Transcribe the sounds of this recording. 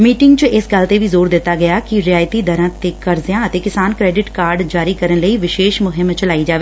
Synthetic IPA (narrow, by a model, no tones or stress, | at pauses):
miːʈɪŋɡt͡ʃəʔɪsɡəlt̪eːʋiːzoːɾd̪ɪt̪ːaːɡəjaːkɪɾɪjaːjt̪iːd̪əɾãːt̪eːkəɾzɪjãːət̪eːkɪsaːnkɾɛːɖɪʈkaːɾɖd͡ʒaːɾiːkəɾənləiːʋɪʃeːʃmʊɦɪmt͡ʃəlaːid͡ʒaːʋeː